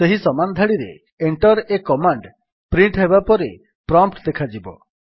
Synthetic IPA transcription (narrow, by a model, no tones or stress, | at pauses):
seɦisɔmanɔd̪ʱaɽiɾḛ | eɳʈɔɾekɔmaɳɖ | pɾiɳʈɦebapɔɾe | pɾɔmpʈd̪ekʰad͡ʒibɔ̰